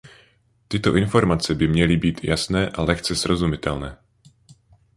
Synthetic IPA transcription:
t̪ɪt̪oʔinfoɾmat͡sɛbɪmɲɛlibiːt̪jasnɛːʔalɛxt͡sɛz̥ɾozumɪt̪ɛlnɛː

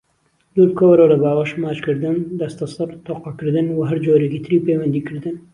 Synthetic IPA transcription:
lulkʰowɐɾolɐbaːwɐʃmaːt͡ʃkɨɾd̪ɨnd̪ɐst̪ɐsˤɨɾt̪ʰoqɑkɨɾd̪ɨnwɐɦɐɾd͡ʒoːɾekiːt̪ʰɨɾiːpejwɐnd̪iːkɨɾd̪ɨn

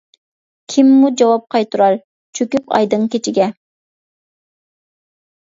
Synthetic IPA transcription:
kʲʰimːud͡ʒɑwɑp̚qʰɑjt̪ʰuɾɑɾ | t͡ʃʰøkʲypɑ̰jd̪ɨŋkʲet͡ʃʰɪɡʲɛ

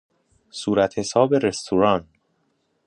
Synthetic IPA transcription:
suːɾæt̪ʰhe̞sɒːbeɾe̞st̪ʰuɾɒːn

